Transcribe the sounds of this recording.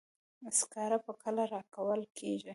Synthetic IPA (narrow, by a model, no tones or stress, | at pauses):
askɑɾapəkʰəlaɾɑkawəlkʰeʒi